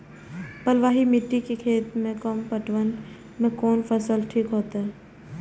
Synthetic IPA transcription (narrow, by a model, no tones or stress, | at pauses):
pəlʋaːɦimɪʈːikekʰeːt̪mẽkɔmpəʈʋən | mẽkɔːnfʰəsəlʈʰiːkɦoːt̪aɦɛ